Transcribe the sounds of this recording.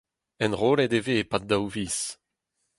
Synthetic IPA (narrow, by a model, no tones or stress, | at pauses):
ɛ̃nʁoːlɛd̪eveːpad̚dawviːs